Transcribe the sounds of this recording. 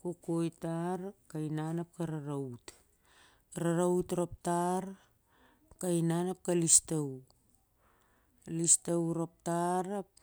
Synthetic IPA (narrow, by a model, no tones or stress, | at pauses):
kokojtaɾkajnanap̚kaɾaɾawt | ɾaɾautɾop̚taɾ | kajnanap̚kalistaw | listawɾop̚taɾap̚